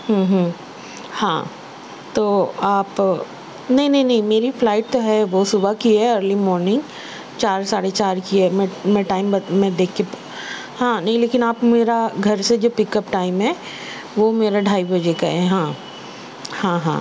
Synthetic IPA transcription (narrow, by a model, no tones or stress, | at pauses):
ɦə̃ːɦ | hã̰ː | t̪oːaːp | nɐɦĩnɐɦĩnɐɦĩmeːɾiflaːɪʈ̚t̪oɦɛʋosʊbakiɛəːɾlimɔːɾnɪ̃ŋɡ | t͡ʃaːɾsaːɽet͡ʃaːɾkiɦɛmɛ̃mɛʈaːɪmbɐmɛ̃d̪eːkʰːep | hãːnɐɦĩleːkɪnaːpmeːɾaɡʱɐɾsed͡ʒoːpɪkəpʈaːɪ̃mɦɛː | ʋomeːɾaɖʱaːibɐd͡ʒeka̰ɦɛɦãː | hãɦã̰ː